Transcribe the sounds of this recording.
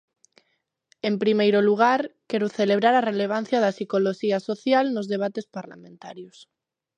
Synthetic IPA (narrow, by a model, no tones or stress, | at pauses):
empɾimejɾoluɣ̞aɾkeɾoθeleβ̞ɾaɾareleβ̞an̟θjaðasikoloʃiasoθjalnozðeβ̞at̪espaɾla̰mẽnt̪aɾjos